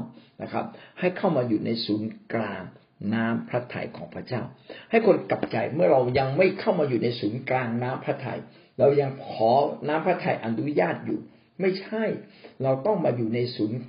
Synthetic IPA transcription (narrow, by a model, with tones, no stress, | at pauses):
na̰˦˧˥kʰa̰˦˥p̚ha˥˩jkʰa˥˩wmaː˧juː˨˩na˧jsuː˩˦nklaː˧ŋ | naː˦˥mpʰɾa˦˥t̪ʰa̰˧jkʰɔː˩˦ŋpʰɾa˧t͡ɕaː˥˩wha˥˩jkʰo˧nka˨˩p̚t͡ɕa˧jmɯ˥˩ɐɾa˧wja˧ŋma˥˩jkʰa˥˩wmaː˧juː˨˩na˧jsuː˩˦nklaː˧ŋnaː˦˥mpʰɾa˦˥t̪ʰa̰˧j | ɾa˧wja˧ŋkʰɔː˩˦naː˦˥mpʰɾaː˦˥t̪ʰːa˧jʔa˧nu˦˥jaː˥˩t̪̚jṵː˨˩ | ma˥˩jt͡ɕʰa˥˩jɾa˧wt̪ɔ˥˩ŋmaː˧juː˨˩na˧jsuː˩˦n